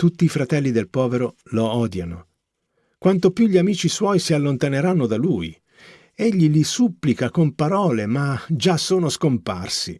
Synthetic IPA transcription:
t̪ut̪ːiːfɾat̪ɛlːid̪elpɔːveɾoloɔːd̪jano | kwant̪opjuʎːiamiːt͡ʃiswɔjsialːont̪aneɾanːod̪aluj | eʎːilisupːlikakompaɾɔːlemad͡ʒasoːnoskompa̰rsḭ

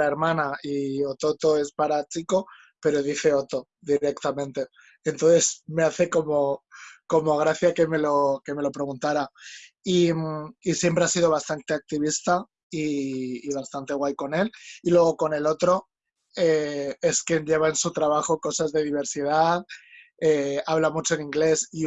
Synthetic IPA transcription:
aeɾmãnaio̞t̪ot̪o̞e̞spaɾat͡ʃiko̞ | pe̞ɾo̞ðiθe̞ot̪o̞ | ðiɾe̞kt̪amẽ̞nt̪e̞ː | nt̪onθe̞zme̞aθe̞ko̞mo̞ko̞mo̞ɣ̞ɾaθjake̞me̞lo̞ke̞me̞lo̞pɾe̞ɣ̞unt̪aɾa | imisje̞mpɾe̞asiðo̞β̞ast̪ant̪e̞ak̚t̪iβ̞ist̪a | iːβ̞ast̪ant̪e̞ɣ̞wajko̞ne̞lilwe̞ɣ̞o̞ko̞ne̞lo̞t̪ɾo̞ | eeskje̞nʎe̞β̞aensut̪ɾaβ̞axo̞ko̞sazðe̞ðiβ̞e̞ɾsið̞að | eaβlamut͡ʃo̞enĩŋɡle̞si

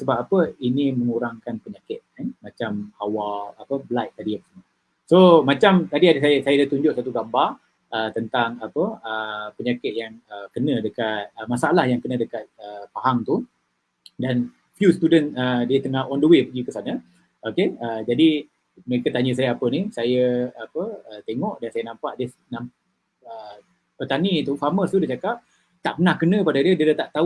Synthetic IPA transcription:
səbap̚apəiniməŋuɾaŋkanpəɲakɪt̪̚amat͡ʃamawalapəbəlajʔ̚t̪adiapə̥səmə | somat͡ʃamt̪adiadəsajasajadat̪uɲd͡ʒʊʔ̚sat̪uɡambar | ʔət̪ənt̪aŋapəəpəɲakɪt̪̚jaŋəkənə̃dəkat̪̚əmasaalahjaŋkənə̃dəkat̪̚əpaɦaŋt̪u | dan | fjust̪udənədət̪əŋahɔndəwepəɡikəsanə | ʔokeəd͡ʒadi | məɾekat̪aɲəs̬ajaapənisajəapəət̪eŋɔʔdansajənãmpaʔdenam | ə | pət̪anit̪ufaməst̪udet͡ʃakap̚ | t̪aʔpənahkənə̃padadiədiədət̪aʔt̪au

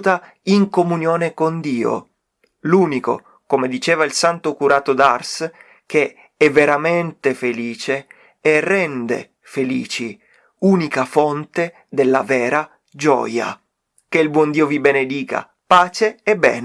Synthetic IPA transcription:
t̪a | iŋkomunjɔːnekond̪iːo̰ | luːniko̰ | komed̪it͡ʃɛːvailsant̪okuɾaːt̪od̪ars | ke | ɛvːeɾament̪efeliːt͡ʃeː | rɛnd̪ḛ | felḭːt͡ʃi | uːnikafont̪e | d̪elːa̰vɛːɾa | d͡ʒɔ̰ːja̰ | keilbwɔnd̪iːovibened̪iːka̰ | paːt͡ʃeːbːɛ̰ːn

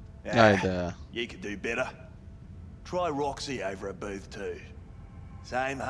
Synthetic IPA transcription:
aʊdəjɨkʰɨdɨbɛɾə | tʰɹ̥aɪɹɑksiəʊvə˞əbʉθtʰʉ | sẽɪ̃mh

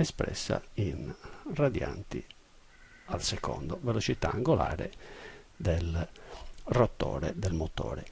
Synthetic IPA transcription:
ɛspɾɛ̰sːa̰inrad̪jant̪i | alsɛkɔnd̪ovelot͡ʃit̪aːŋɡolaːɾe | d̪el | rot̪ːɔːɾɛd̪ɛlmot̪ɔ̰ːɾɛ

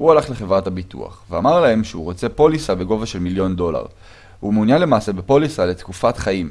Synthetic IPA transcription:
hualaχle̞χe̞vʁatabitṵa̰χveamaʁlae̞mʃeuʁo̞t͡se̞po̞lisabe̞ɡo̞vaʃe̞lmiljo̞ndo̞la̰ʁ | humeunjanle̞maːse̞be̞po̞lisale̞tkufatχaim

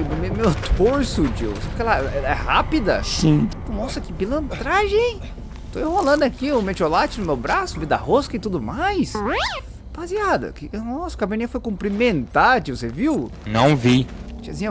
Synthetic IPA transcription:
mmemet̪oɾsʊd͡ʒḭwsabɪkɛlɐɛlɐɛhapid̪ɐsĩt̪ɐ̃mɔsɐkɪbilɐ̃nt̪ɾaʒẽj̃ | t̪oewholɐ̃nd̪ʊakiomet͡ʃolat͡ʃɪnʊmewbɾasʊvid̪ɐ̰hoskɐɪt̪ud̪ʊmajs | b̥aziad̪ɐ̰kɪnɔsɐʊ̥kabɐ̃nĩɐfojkũmpɾimẽnt̪at͡ʃivseviw | nɐ̰̃w̃vit͡ʃiɐzĩɲɐ

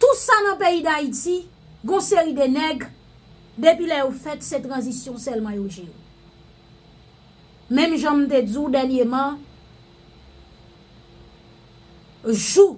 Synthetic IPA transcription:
t̪usanɑ̃peid̪aiti | ɡɔ̃seʁid̪enɛɡ | d̪epilɛjofɛt̪set̪ʁɑ̃zisjɔ̃sɛlmɑ̃joʒe | mɛ̃mʒɑ̃m̩t̪ed͡zud̪ɛʁnjemɑ̃ | ʒu

